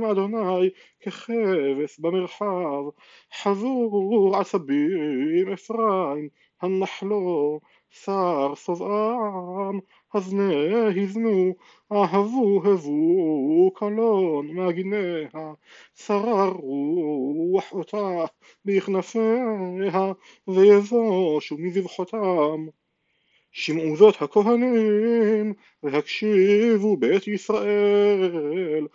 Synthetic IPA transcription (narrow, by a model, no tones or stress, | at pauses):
mʔad̪onaj | keχevesbameʁħav | ħazuʁʕalsabiʁmefʁaim | hanːaħlo | saʁsovʔa | m | hazneɦiznu | aɦavuɦevu | kʰalonmeaɡineha | saʁaʁuwaħot̪ʰa | beiχnafeɦa | vejevoʃumizivħot̪am | ʃimʕuzo̞t̪hako̞ɦanim | vehakʃivubejt̪isʁaʔe | l